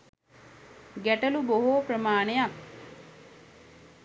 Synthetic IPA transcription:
ɡæʈəluboɦoːpɾəmaːnejak

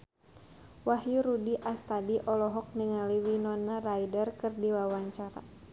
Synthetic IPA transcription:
wahjuɾudiʔast̪adiʔɔlɔɦɔk̚nəŋaliwinɔnarajdərkɨrdiwawaɲt͡ʃaɾa̰

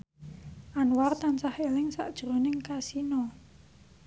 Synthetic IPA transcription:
ʔanwart̪ant͡ʃahelɪŋsa̰ʔd̥ʒ̥ɾonɪŋkasinɔ

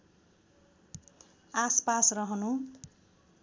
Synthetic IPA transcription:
aspasrʌɦʌnu

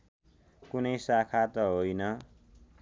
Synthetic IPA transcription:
kunʌjsakʰat̪ʌɦojnʌ

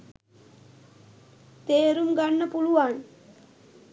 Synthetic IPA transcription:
t̪eːɾumɡanːəpuluʋan

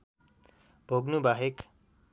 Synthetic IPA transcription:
b̥ʱoɡnubaɦek

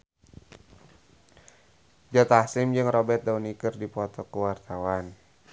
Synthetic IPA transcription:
d͡ʒɔt̪asɪmd͡ʒɨŋrɔbɛt̪̚daunikɨrdipɔt̪ɔkəwart̪awan

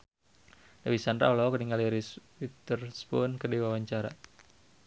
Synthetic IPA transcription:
dawisandɾa̰lɔkəniŋaliɾiswit̪ərspɔnkədiwawaɲt͡ʃaɾa̰

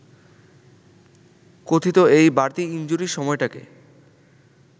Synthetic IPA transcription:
kot̪ʰit̪oejbaɾt̪iind͡ʑuɾiʃɔmɔeʈakḛ

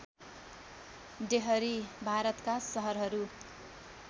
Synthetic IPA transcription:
deɦʌɾibʱaɾʌt̪kasʌɦʌɾɦʌɾu

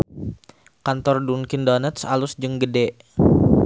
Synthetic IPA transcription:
kant̪ɔrdunkindonət̪salusd͡ʒəŋɡədɛʔ

